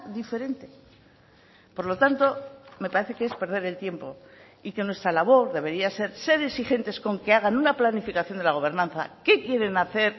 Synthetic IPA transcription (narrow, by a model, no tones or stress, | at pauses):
ðife̞ɾe̞nt̪e̞ | po̞ɾlo̞t̪ant̪o̞me̞paɾe̞θe̞kee̞spe̞ɾð̞e̞ɾe̞lt̪je̞mpo̞ | ike̞nwe̞st̪ɾalaβo̞ɾðe̞βe̞ɾiase̞ɾse̞ɾe̞sixe̞nt̪e̞sko̞ŋke̞aɣ̞anunaplanifikaθjo̞nd̪elaɣ̞o̞βe̞ɾnãnθa̰ke̞kje̞ɾe̞naθe̞ɾ